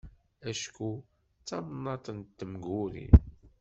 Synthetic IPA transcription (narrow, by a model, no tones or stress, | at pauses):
æʃku | t͡sːɑmnːɑt̪ˤənt̪ːəmɡuɾḭn